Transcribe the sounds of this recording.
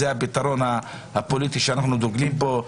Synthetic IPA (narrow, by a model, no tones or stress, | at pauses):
eabit̪aɾo̞na | hapo̞lit̪iʃeanaχnud̪oɡlimpo̞